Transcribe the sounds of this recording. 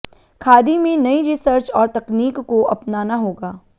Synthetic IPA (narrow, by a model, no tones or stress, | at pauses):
kʰaːd̪imẽnɐiɾɪsəɾt͡ʃɔːɾt̪ɐkniːkːoʔɐpnaːnaɦoːɡaː